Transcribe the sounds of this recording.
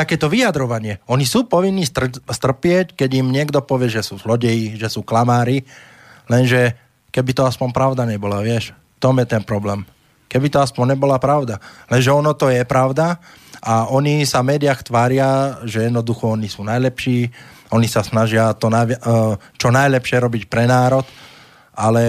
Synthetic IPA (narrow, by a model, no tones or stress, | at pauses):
t̪akɛːt̪ɔʋijad̪ɾɔʋaɲɪɛɔɲisuːpɔʋinːit̪st̪r̩pɪɛckɛɟimɲɪɛɡd̪ɔpɔʋɪɛʒɛsuːzlɔɟɛjiʒɛsuːklamaːɾi | lɛnʒɛ | kɛbit̪ɔaspɔɲpɾaʊd̪aɲɛbɔlaʋɪɛʃft̪ɔmjɛt̪ɛnpɾɔblɛːm | kɛbit̪ɔaspɔɲɲɛbɔlapɾaʊd̪alɛnʒɛɔnɔt̪ɔjɛpɾaʊd̪a | ʔaɔɲisavmɛːd̪iɪaxt̪ʋaːɾɪaʒɛjɛd̪nɔd̪uxɔɔnisuːnajlɛpʃiː | ɔnisasnaʒɪat̪ɔna | t͡ʃɔnajlɛpʃɪɛɾɔbicpɾɛnaːɾɔt̪ | alɛ